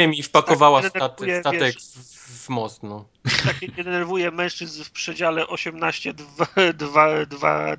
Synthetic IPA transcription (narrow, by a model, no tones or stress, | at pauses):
ɛmʲifpakɔvawasd̪ɛɛɾat̪ujɛvt̪avjɛɛkvmɔst̪nɔ | t̪akʲɛɛd̪ɛnɛɾvujɛmɛ̃w̃ʂt͡ʂɘznfpʂɛd͡ʑalɛʔɔɕɛmnaɕt͡ɕɛd̪vad̪vad̪va̰